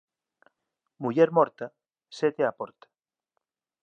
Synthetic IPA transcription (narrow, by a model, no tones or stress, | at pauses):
muʎɛɾmɔɾt̪a | set̪eapɔɾt̪ḁ